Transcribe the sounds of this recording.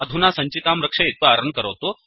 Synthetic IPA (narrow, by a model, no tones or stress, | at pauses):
əd̪ʱunasə̃ɲt͡ɕit̪amɾəkʂɐit̪ʋəaɾəɳkəɾəwt̪o